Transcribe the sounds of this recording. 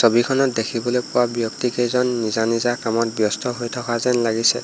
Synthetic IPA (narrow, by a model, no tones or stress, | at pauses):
sobikʰɔnɔt̚dekʰibɔlojpʊwabjɔktikejzɔnːizanizakamɔt̚bjɔstɔɦojtʰɔkazɛnlaɡisɛ